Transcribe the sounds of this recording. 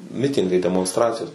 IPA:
ˈmʲɪtʲɪŋɡɐɪ dʲɛmoːnsˈtrɑːt͡sʲɪjoːs

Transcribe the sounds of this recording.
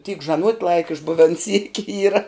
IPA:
tʲiːk ʒɐˈnuɔtʲ ˈlˠɐɪkɐ ɪʒˈbʊʋʲɛn sʲiːkʲɪ ˈiːrɐ

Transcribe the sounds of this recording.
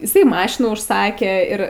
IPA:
ɪˈsɐɪ ˈmɑːʃʲɪnuː ʊʃˈsɑːkʲeː ɪr

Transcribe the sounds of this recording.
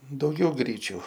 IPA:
dɐʊˈɡʲɛʊ ˈɡrʲiːt͡ʃʲʊ

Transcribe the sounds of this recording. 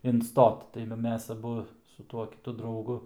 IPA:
ɪnˈstoːt tɐɪ ʋɐ ˈmʲɛs ɐˈbʊ sʊ ˈtuɔ kʲɪˈtʊ drɐʊˈɡʊ

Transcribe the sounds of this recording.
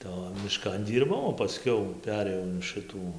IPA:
tɐɪ oː mʲɪˈʃkɐn ˈdʲiːrbɐʊ oː pɐˈsʲkʲɛʊ ˈpʲæːrʲeːjɛʊ ɪn ˈʃɨtuː

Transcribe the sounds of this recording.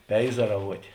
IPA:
ˈpʲɛɪzɐrɐʋuɔtʲeː

